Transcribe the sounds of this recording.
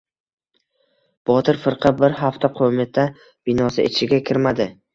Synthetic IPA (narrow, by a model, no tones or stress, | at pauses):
b̥ɒt̪ʰɪɾfɪɾqʰɑbɪɾɦaft̪ʰaqʰomɪt̪ʰːa | b̥ɪnɒsɪḛt͡ʃʰɪɡʲakʲʰɪɾmad̪ɪ